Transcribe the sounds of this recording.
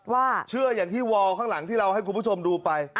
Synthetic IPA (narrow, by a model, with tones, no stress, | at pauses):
waː˥˩t͡ɕʰɯ˥˩əjaː˨˩ŋt̪ʰiː˥˩wɔː˧kʰaː˥˩ŋla˩˦ŋt̪ʰiː˥˩ɾa˧wha˥˩kʰu˧npʰu˥˩o˧mduː˧pa˧j